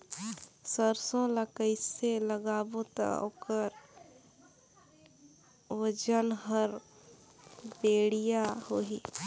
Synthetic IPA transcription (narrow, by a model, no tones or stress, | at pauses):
səɾsõlakəɪseləɡaːbot̪a̰o̰kəɾ | wəd͡ʒənɦəɾ | beːɽijahoːɦiː